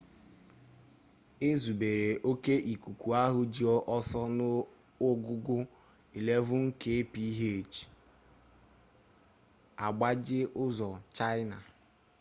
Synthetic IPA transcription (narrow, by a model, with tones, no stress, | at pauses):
e˦zu˨be˨ɾe˨ʔo˦ke˦ʔi˨ku˨kʷu˨a˦ɦʊ˦d͡ʒi˦ɔ˦ʔɔ˦sɔ˦nʊ˦ | ʊ˦ɡʊ˦ɡʊ˦ | i˨le˦vʊ˦ŋ̩˦ke˦pi˦ɦe˦˨t͡ʃ | a˨ɡ͡ba˦d͡ʒɪ˦ʔʊ˦zɔ˨t͡ʃa˦ɪ˦na˨